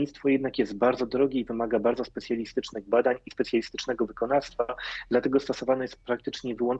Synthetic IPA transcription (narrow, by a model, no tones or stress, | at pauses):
it̪t̪fɔjɛd̪nakjɛst̪̚baɾd̪zɔd̪ɾɔɡʲɛivɘmaɡabaɾd̪zɔspɛt̪sʲjalʲist̪ɘt͡ʂnɘɣbad̪aɲispɛt̪sʲjalʲist̪ɘ̥t͡ʂnɛɡɔvɘkɔnaɾst̪fad̪lat̪ɛɡɔst̪ɔsɔvanɛjɛst̪̚pɾak̚t̪ɘt͡ʂɲɛvɘwɔn